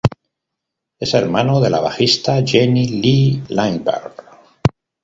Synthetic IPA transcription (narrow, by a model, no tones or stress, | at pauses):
e̞seɾmanoðe̞laβaxist̪aʝenililaŋba̰ɾ